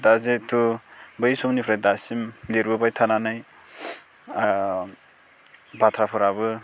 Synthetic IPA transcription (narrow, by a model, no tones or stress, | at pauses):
dazetʰubɯjsumnipʰɾajdasimleɾbɯbajtʰananaj | batʰɾapʰɔɾabɯ